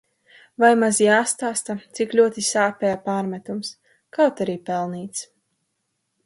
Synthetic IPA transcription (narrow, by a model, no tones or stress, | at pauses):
vajmazjaːst̪aːst̪at̪siklʲuɔt̪isaːpʲɛjapaːɾmɛt̪ums | kawt̪aɾiːpɛlˠniːt̪s